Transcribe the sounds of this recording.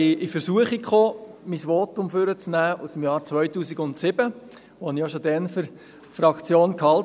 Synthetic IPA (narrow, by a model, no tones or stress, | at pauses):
ɪɪfəɾsuəχikχoːmisʋoːtʊmfʏɾət͡snæːusm̩jɑːɾt͡sʋœʏtuːsiɡʊntsɪb̥ə | ʋɔɑnɪjoʃodɛnfʏɾ | tfrɑkt͡sjoːnkhɑl